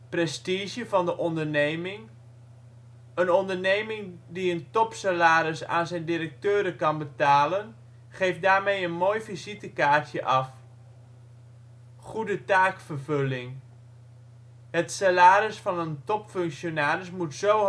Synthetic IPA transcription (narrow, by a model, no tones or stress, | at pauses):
prɛstizjəvɑndəʔɔndərneːmɪŋ | ənɔndərnejmɪŋdiəntɔpsalaːɾəsa̰ːnzɛjndirək̚tøːɾəkɑnbətaːlən | χejfdaːɹmejənmoːjvizitəkaːɹtʰjəʔɑf | χudətaːkfərvølɪŋ | ɦətsalaːɾəsfɑnəntɔpføŋksjonaːɾɪsmutsow